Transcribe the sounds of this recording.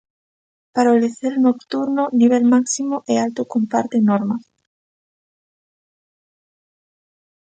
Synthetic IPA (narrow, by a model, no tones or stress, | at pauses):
paɾaoliθelnokt̪uɾnoniβ̞elmaksimoʔɛalt̪okompa̰ɾt̪enɔɾmas